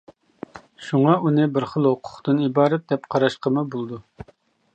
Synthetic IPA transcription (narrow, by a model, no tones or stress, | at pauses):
ʃuŋɑunɪbɪɾχəlˠhoqʰʊ̥χt̪ɨnibɑːɾɛt̪̚d̪ɛpqʰɑɾɑʃqəmɨbolˠd̪u